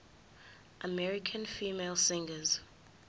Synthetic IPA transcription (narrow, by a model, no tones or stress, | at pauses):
ʔəmɛɹikʰə̃nfiːmelˠsɪ̃ŋɡəz